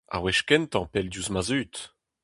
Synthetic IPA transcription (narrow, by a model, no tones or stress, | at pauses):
a̰wɛʃkɛnt̪ɑ̃pɛld̪juzmazyːt̪